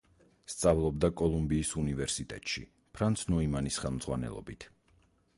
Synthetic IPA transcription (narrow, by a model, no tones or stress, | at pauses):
st̪sʼavlˠɔbd̪akʼɔlˠumbiːsunivɛɾsit̪ʼɛ̰t̪ʼʃḭ | pʰɾant̪sʰnɔimanisχɛlˠmd̪zʁwanɛ̰lˠɔ̰bit̪ʰ